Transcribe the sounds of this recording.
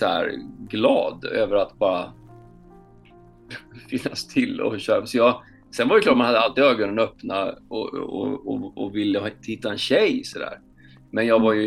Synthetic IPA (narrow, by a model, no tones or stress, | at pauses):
sɔæ̰ɾɡlɑ̰ːd̪øːvəɾat̪bɑːɾa | fɪnːast̪ʰɪlɔ̰ɕøːɾapsɔjɑː | sɛnvaɾjʏklɑːʈmanhad̪ːəalt̪ɪd̪øːɾɡɵnənœpnaɔ̰ɔ̰ɔ̰ɔvɪlːəɪt̪ʰhɪt̪ːaɛnɕɛjsɔd̪æ̰ːɾ | mɛnjɑːvaɾjɵ